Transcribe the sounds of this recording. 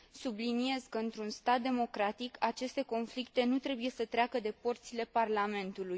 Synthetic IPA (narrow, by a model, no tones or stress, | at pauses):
sublinie̞zkəɨnt̪ɾunst̪at̪̚d̪e̞mo̞kɾat̪ikʰat͡ʃe̞st̪e̞ko̞nflik̚t̪e̞nut̪ɾe̞buje̞sət̪ɾeakəd̪e̞po̞rt̪sile̞parlame̞nt̪uluj